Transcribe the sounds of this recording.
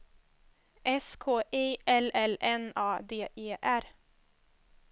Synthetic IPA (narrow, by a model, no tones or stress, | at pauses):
ʔɛskʰoːʔeːʔɛlɛlɛnɑːd̪eːʔeːʔæɾ